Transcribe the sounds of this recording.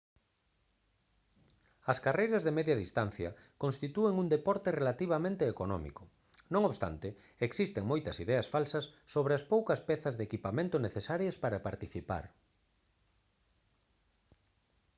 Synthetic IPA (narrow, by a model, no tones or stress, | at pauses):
ɐskarejɾɐzðemɛðjɐðist̪an̟θjɐ̰konst̪it̪ueŋuŋd̪epɔɾt̪erelat̪iβ̞ɐmẽnt̪eːkonɔ̰mḭkʊ | nõŋoβst̪a̰nt̪e | eksist̪eŋmojt̪ɐsiðɛɐsfalsɐsːoβɾeɐspowkɐspɛθɐzðekipamẽnt̪ʊneθesaɾjɐspaɾɐpaɾt̪iθipa̰ɾ